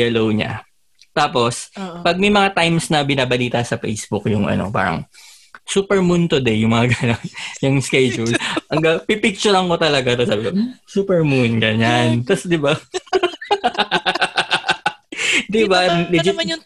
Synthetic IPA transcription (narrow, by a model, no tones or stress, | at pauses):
jɛlowɲa̰ | t̪aːpo̞spɐɡ̚mɐjmɐŋat̪ajmsnɐbɪnaːbɐliːt̪ɐsɐfḛjsbʊkjʊŋʔɐ̰no̞̰pa̰ːɾɐ̰ŋ | suːpɛɹmunt̪ʊd̪ɛjʊŋmɐŋaɡɐnonjʊŋskejd͡ʒʊlʔɐŋɡɐpipɪk̚t͡ʃʊɾɐŋko̞t̪ɐlɐɡat̪ɐsaːbɪkosuːpɛɹmunɡɐɲant̪ɐsd̪ɪba | d̪ɪbalɪd͡ʒɪ